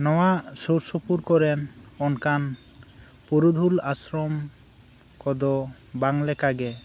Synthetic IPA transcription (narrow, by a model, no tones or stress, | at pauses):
nɔwasoɾsopuɾkɔɾɛnɔnkan | puɾud̪ʱulasɾɔm | kɔd̪ɔ | baŋlɛkaɡɛ